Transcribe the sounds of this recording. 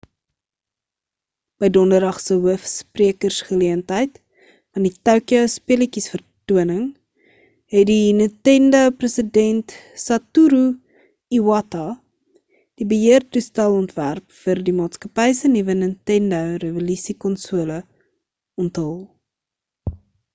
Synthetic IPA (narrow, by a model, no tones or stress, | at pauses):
b̥əjdɔndərdɐχsəɦuəfspriəkərsχəliəntɦəjt | fɐnditɐwkiəwspiələkisfərtuənəŋ | ɦɛdinətɛndəprəsidɛntsɐtuɾu | iwɐtɐ | d̥ibəɦiərtustɛlˠɔntværpfərdimɑːtskɐpɛjsənivənəntɛndəwrəvolisikɔnsuələ | ɔntɦəlˠ